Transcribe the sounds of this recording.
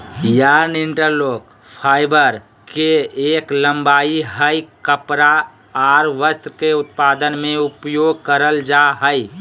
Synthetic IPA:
jaɾnɪɳʈəɾloːk | pʰaːɪbəɾ | keeːklə̃mbaːiɦəjkəpɾa | aɾʋəst̪keʊt̪̚paːd̪ənmẽʊpjoːɡ̚kəɾəld͡ʒaɦəɪ

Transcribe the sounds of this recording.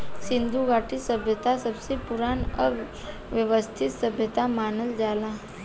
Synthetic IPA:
sɪ̃nd̪ʱuɡaːʈisəbʱjət̪asɐbsepʊɾaːnə | ʋjəʋəst̪ʰɪt̪səbʱjət̪amaːnəld͡ʒaːlaː

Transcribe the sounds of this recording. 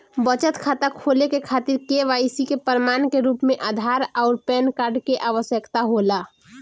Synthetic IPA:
bət͡ʃət̪kʰat̪akʰolekekʰaːt̪ɪɾkeʋaɪsikepəɾmaːnkeɾuːpmẽʔaːd̪ʱaɾɔʊɾpɛnkaːɾɖkeʔaʋəsjəkt̪aɦola

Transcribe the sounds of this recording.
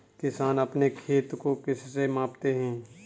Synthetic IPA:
kɪsaːnɐpnekʰeːt̪kokɪssemãːpt̪eɦɛ̃ː

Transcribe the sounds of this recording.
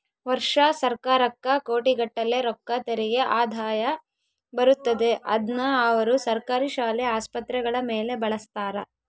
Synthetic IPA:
ʋɐɾʂɐsɐɾkaːɾɐkːɐkoːʈiɡɐʈːɐle̞ɾɔkːɐt̪eɾɛɡe̞ʔaːd̪ʱaːjɐ | bɐɾut̪ːɐd̪e̞ʔɐ̰d̪nɐɐʋɐɾusɐɾkaːɾiʃaːlɛaːspɐt̪ɾɛɡɐɭɐmeːle̞bɐɭɐst̪aːɾɐ

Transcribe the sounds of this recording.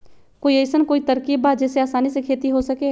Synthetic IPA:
koːieɪsənkoːit̪ɐɾkiːbaːd͡ʒɛːseaːsaːnisekʰeːt̪iɦosɐkeː

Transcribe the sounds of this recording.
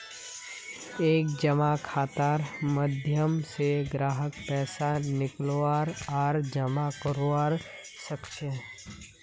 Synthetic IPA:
eːk̚d͡ʒəmakʰaːt̪aːɾməd̪ʱjəmseɡɾaːɦək̚pɛːsanɪkloaːɾɔːɾd͡ʒəmakəɾoaːɾ | səkʃe

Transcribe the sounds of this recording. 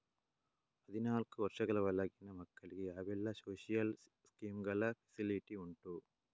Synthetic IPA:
pɐðɪnaːlkɯʋɐɾʂɐɣɐɭɐʋɐlɐɣɪnɐmɐkːɐɭkɯɐʋɛlːɐsoːʂijɐl | skiːmɡɐɭɐfɐsɪlɪʈiʊɳʈu

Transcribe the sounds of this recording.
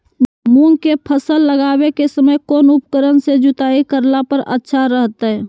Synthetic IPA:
muŋɡkepʰəsəlːəɡaːbekesəməjkoːnʊp̚kəɾənsed͡ʒʊt̪aːikəɾlapəɾə̰tːʃʰaɾəɦt̪ɛ

